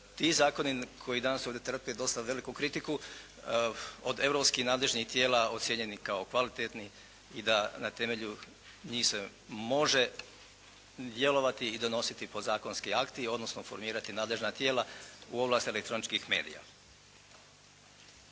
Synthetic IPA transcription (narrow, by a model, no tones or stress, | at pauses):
t̪izaːko̞nikʰo̞jid̪anasoʋd̪jet̪r̩pied̪o̞st̪aʋe̞likukɾit̪iku | od̪e̞ʋvɾo̞pskixnaːd̪le̞ʒnixt̪jeːlao̞t̪sjeɲe̞nikaokʋalit̪et̪ni | id̪anat̪e̞me̞ʎu | ɲiːxse | mo̞ʒe̞ | d̪je̞lo̞ʋat̪iːd̪o̞no̞sit̪ipo̞zaːko̞nskiakt̪io̞d̪no̞snofo̞ɾmiːɾat̪inaːd̪leʒnat̪jeːlauo̞blaːst̪ielekt̪ɾo̞nit͡ʃkixme̞ːd̪ḭja̰